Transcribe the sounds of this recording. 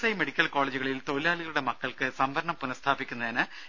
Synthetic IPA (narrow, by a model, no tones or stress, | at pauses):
sɐjme̞ɽikʲːɐlko̞ːɭeːd͡ʑuɣɐɭilt̪o̞laːliɣɐluɽe̞mɐkːɐɭkɨsɐmʋɐɾɐɳɐmpunɐst̪ʰaːbikʲːunːɐðinɨ